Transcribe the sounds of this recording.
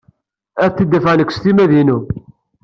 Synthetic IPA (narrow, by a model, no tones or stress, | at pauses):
æθθid̪ːæfʕnəkʷːst̪imæðinu